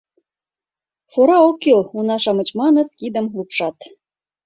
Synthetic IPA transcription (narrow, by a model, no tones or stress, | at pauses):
foɾɑokːilˠunɑʃɑmɤ̆t͡ɕmɑnɤ̆t̪̚kid̪ə̆mlˠupʃɑt̪